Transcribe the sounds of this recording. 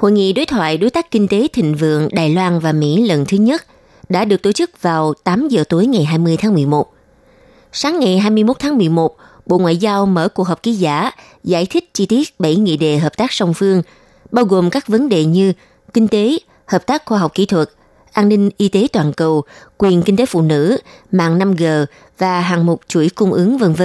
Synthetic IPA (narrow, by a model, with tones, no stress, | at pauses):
ho̰˧˨jŋḭ˧˨ɗo˨˦jt̪ʰwa̰ː˧˨jɗo˨˦jt̪aː˦˥kkï˧ŋ̟t̪e˨˦t̪ʰï˨˩ŋ̟vɨ̰˧˨əŋɗaː˨˩jlwaː˧nvaː˨˩mḭ˧˥lə˨˩nt̪ʰɨ˨˦ɲə˦˥t̚ | ɗa̰ː˧˥ɗɨ˨˩ək̚t̪o˧˩t͡ɕɨ˦˥k̚vaː˨˩wt̪aː˨˦mzəː˨˩t̪o˨˦jŋa˨˩jɦaː˧jmɨ˧əjt̪ʰaː˨˦ŋmɨ˨˩əjmo˨˩t̚ | saː˨˦ŋːa˨˩jɦaː˧jmɨ˧jmo˦˥t̚t̪ʰːmɨ˨˩əjmo˨˩t̚ | ɓo̰˧˨ŋwa̰ː˧˨jzaː˧wməː˧˩kwək̚ɦə˨˩k͡p̚ki˨˦zaː˧˩ | za̰ː˧˥˩jt̪ʰï˦˥k̟̚t͡ɕi˧t̪i˦˥ət̚ɓə̰˧˩jŋḭ˧˨ɗḛ˨˩ɦəː˨˩p̚t̪aː˦˥k̚sa˧wŋ͡mfɨ˧əŋ | ɓaː˧wɣo˨˩mkaː˦˥k̚və˨˦nɗḛ˧˨ɲɨ˧ | kï˧ŋ̟t̪e˨˦ | həː˨˩p̚t̪aː˦˥k̚xwaː˧ɦa˨˩wk͡p̚kḭ˧˥t̪ʰwə˨˩t̚ | ʔaː˧nnï˧ŋ̟ʔi˧t̪e˨˦t̪waː˨˩nkə˨˩wkwi˨˩ənki˧ŋt̪e˨˦fṵ˧˨nɨ̰˧˥ma̰ː˧˨ŋna˧mɣəː˨˩ | vaː˨˩ɦaː˨˩ŋmo˨˩k͡p̚t͡ɕu˧˩jkʊ˧ŋ͡mʔɨ˨˦əŋvə˧nvə˧